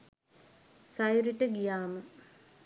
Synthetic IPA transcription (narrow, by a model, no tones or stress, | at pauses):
sajuɾiʈəɡijaːmə